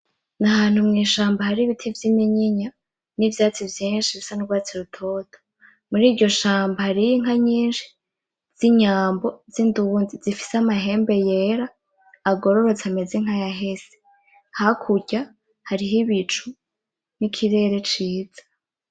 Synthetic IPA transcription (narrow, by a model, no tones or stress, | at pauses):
naɦaːn̥humŋiːʃaːmbahaɾiβitʰivjimiɲiɲa | nivjaːt͡sivjiːnʃiβisanuɾɡwaːt͡siɾutʰo̞tʰo̥ | muɾiːɾɟo̞ʃaːmbahaɾijiŋ̥aɲiːnʃi̥ | z̥iɲaːmbo̞zindunzizifi̥seamaɦe̞ːmbe̞je̞ɾaː | ɡo̞ɾo̞ɾo̞t͡sameziŋ̥hajaɦe̞se̥ | hakʰuɟa | haɾiɦiβit͡ʃu | nikʰiɾe̞ːɾe̞t͡ʃiːz̥ḁ